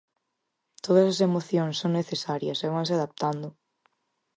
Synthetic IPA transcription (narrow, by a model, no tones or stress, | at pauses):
t̪oð̞ɐsɐsemoθjoŋsːoŋneθesaɾjɐsɛβansɪaðap̚t̪and̪ʊ